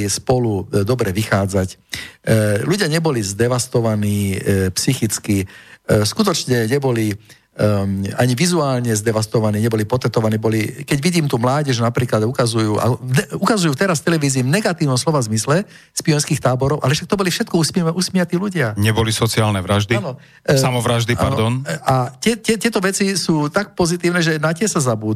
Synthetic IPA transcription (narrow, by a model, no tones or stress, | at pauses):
spɔlud̪ɔbɾɛʋixaːd͡zac | luɟɪaɲɛbɔlizd̪ɛʋast̪ɔʋaniːpsixit͡skiskut̪ɔt͡ʃɲɛɲɛbɔli | aɲiʋizuaːlɲɛzd̪ɛʋast̪ɔʋaniːɲɛbɔliːpɔt̪ɛt̪ɔʋaniːbɔlikɛɟʋiɟiːmt̪uːmlaːɟɛʒnapɾiːklad̪ukazujuːʔa̰nɛukazujuːt̪ɛɾast̪ɛlɛʋiːziːvnɛɡat̪iːʊnɔmslɔʋazmislɛ | spiɔnskiːxt̪aːbɔɾɔʊa̰lɛʃak̚t̪ɔbɔlifʃɛt̪̚kɔusʔusmɪat̪iːluɟɪaɲɛbɔlisɔt͡siaːlnɛʋɾaʒd̪inɔ | samɔʋɾaʒd̪iʔpa̰nɾd̪ɔnat̪ɛt̪ɛt̪ɛt̪ɔʋɛt͡sisuːt̪ak̚pɔzit̪iːʊnɛʒɛnacɪɛsazabuːd̪